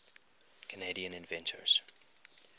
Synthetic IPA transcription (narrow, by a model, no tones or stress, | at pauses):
kʰəneɪɾiə̃nɪ̃nvɛ̃ntʰə̰ɹz̥